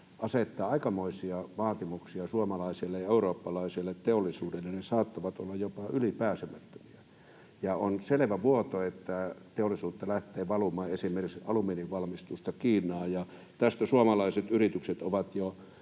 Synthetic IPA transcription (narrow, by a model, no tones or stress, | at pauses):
ʔɑset̪ːɑːɑikɑmoisiɑʋɑːt̪imuksiɑsuomɑlɑisilːejɑeuroːpːɑlɑisilːet̪t̪eolːˑisuːdelːennesɑːt̪ːɑʋɑt̪o̰lːɑjjopɑʔylipæːsemæt̪ːø̥miæ | jɑonseleʋæʋuot̪oet̪ːæt̪eolːˑisuːt̪ːɑlæht̪ˑeːʋɑlumɑːesimerisʔɑlumiːniʋʋɑlmist̪ust̪ɑkiːnˑɑːjɑ | t̪æst̪æsuomɑlɑiset̪yrit̪ykset̪oʋɑt̪jo